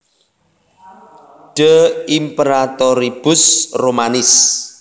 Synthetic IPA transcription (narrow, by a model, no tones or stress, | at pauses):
ɖ̥əimpeɾat̪ɔɾib̥ʊsromanɪs